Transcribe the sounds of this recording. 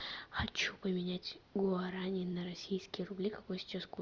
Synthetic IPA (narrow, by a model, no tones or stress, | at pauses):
xɐt͡ɕupəmʲɪnʲætʲɡʊɐɾanʲɪnəɾɐsʲijskʲɪjəɾʊblʲikɐkojsʲɪ̥t͡ɕask